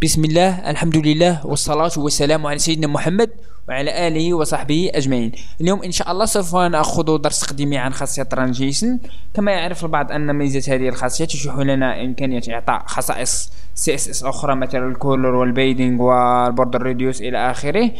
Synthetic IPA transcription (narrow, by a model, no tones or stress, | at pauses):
bəsməlːæhʔə̰lħamd̪uləlːæhwəsˤːɑlɑt̪hʊwəsːælæmwʕalæsæjːəd̪næmʊħamːəd̪̚ | wʕalæʔæləhiwɑsˤɑħbəhiʔæʒmaʕiːn | əljumʔənʃæʔɑlˤːɑsˤufænʔæxʊd̪ud̪ɑɾˤst̪qd̪imiʕanxɑsˤːəjæt̪ːɾˤɑnʒiʃən | kæmæjəʕɾəfəlbɑʕd̪ˤʔənːməzæt̪hæd̪ihəlxɑsˤːəjat̪ʃuħulænæʔəmkænəjːæt̪joʕt̪ˤɑ̰ʔxɑsˤɑ̰ʔəsː | iʔæsʔɛsʔʊxɾˤɑmæt̪iɾəlkoləɾwəlbejd̪ɪŋɡwəlbʊɾd̪ərːud̪jusʔəlæ̰ʔæxəɾəh